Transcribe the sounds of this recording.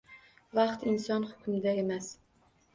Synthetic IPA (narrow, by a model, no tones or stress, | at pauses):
vɑqt̪ɪnsɒnhʊ̥kʰʲʊmd̪ae̞mas